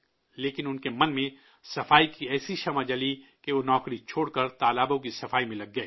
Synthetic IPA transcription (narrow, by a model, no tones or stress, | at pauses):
leːkɪnʊnkemɐnmẽ | sɐfaːikiɛːsiʃɐmad͡ʒɐlikeʋonɔːkɾit͡ʃʰoːɽkɐɾt̪aːlaːbõkisɐfaːimẽlɐɡ̚ːɐeː